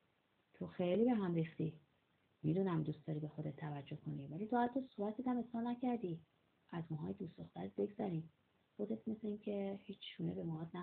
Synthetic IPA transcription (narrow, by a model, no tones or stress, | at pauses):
t̪ʰo̞xejliːbe̞ɦæmrixt̪i | mid̪uːnæmd̪ustd̪ɒːɾiːbe̞xo̞d̪et̪ʰːævæd͡ʒːo̞hkʰo̞nivæliːt̪ʰoælt̪osobæt̪ʰːed̪æme̞sɒːɾnæcʰæɾd̪i | æzmɒɦɒːjed̪ust̪oxt̪æɾet̪̚be̞ɡzæɾiːm | xo̞d̪et̪ʰme̞sleiːncʰe̞hiːt͡ʃʰːʃunebe̞mɒɒd̪næ